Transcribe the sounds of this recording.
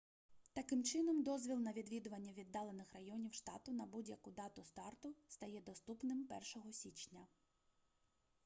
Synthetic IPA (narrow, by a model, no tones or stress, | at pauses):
t̪ɐkɪmt͡ʃɪnɔmd̪ɔzʲʋʲilˠnɐʋʲid̪ʋʲid̪ʊʋɐnʲːɐʋʲid̪ːɑlˠenɪxrɐjɔnʲiwʃt̪ɑ̰t̪ʊnɐbudʲjɐkʊd̪ɑt̪ʊst̪ɑrt̪ʊst̪ɐjɛd̪ɔst̪upnɪmpɛrʃɔɦɔsʲit͡ʃnʲɐ